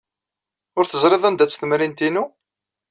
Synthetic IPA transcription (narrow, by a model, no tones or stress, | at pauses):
ʊɾθəzˤɾˤeðˤænd̪æt͡sːθəmɾint̪inu